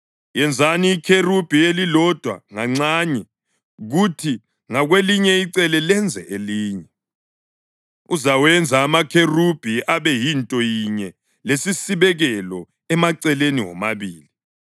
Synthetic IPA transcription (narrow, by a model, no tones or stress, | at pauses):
jɛnd͡zʱaniːkʰerub̥ʱielilɔd̥ʱwa̰ŋaŋ͡ǀaɲɛ | ɣutʰi | ŋaɣweliɲɛiǀɛlɛlɛnd͡zʱɛʔeliːɲɛ | uzawɛnd͡zʱaːmakʰerub̥ʱiaβɛjintʼɔjiɲɛ | lesisiβɛɣɛlɔ | ɛmaǀɛleniŋɔ̰maβiːli